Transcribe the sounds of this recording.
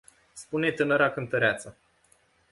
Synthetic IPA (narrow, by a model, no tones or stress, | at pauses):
spune̞t̪ɨnəɾakɨnt̪əɾeat̪sa